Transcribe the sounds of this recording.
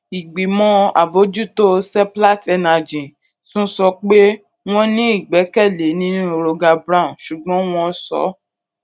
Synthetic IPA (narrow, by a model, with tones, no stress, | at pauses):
i˨ɡ͡bi˨mɔ̃˦a̰˨bo˦d͡ʒu˦to˦sɛ˦pla˦˨tɛ˧na˨d͡ʒĩ˨ | sũ˦sɔ˧k͡pe˦ | w̃ɔ̃˦nĩ˦i˦˨ɡ͡bɛ˨˦kɛ˦˨le˨˦nĩ˦nũ˦o˧ɾo˧ɡa˧bɾã˦˨ʃu˨ɡ͡bɔ̃˨˦w̃ɔ̃˧˦sɔ̰˨˦